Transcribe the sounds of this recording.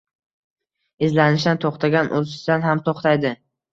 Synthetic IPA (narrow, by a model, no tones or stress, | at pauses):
ɪzlanɪʃ̬d̪ant̪ʰoχt̪ʰaɡʲanʔozɪʃd̪anɦamt̪ʰoχt̪ʰajd̪ɪ